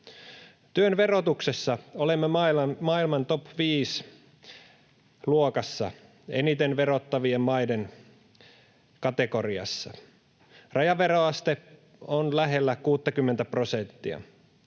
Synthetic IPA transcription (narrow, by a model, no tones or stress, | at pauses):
t̪yønʋe̞ro̞t̪ukse̞sːɑolemːemɑiɑmɑilmɑnt̪opʋiːs | luokɑsːɑ̰ | ḛnit̪enʋe̞ɾot̪ːɑʋiemmɑiden | kɑt̪e̞ko̞riɑ̰sːɑ | rɑjɑʋeɾoɑst̪e | onlæɦe̞lːækuːt̪ːɑkymːent̪æpro̞sent̪ːiɑ̰